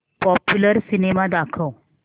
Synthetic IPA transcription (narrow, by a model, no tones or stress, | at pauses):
pɔpjuləɾsinemad̪akʰəw